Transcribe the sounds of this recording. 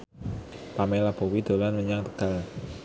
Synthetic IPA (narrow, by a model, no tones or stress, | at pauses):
pamɛlab̥o̤wid̪̥o̤lanməɲaŋt̪ə̥ɡ̥al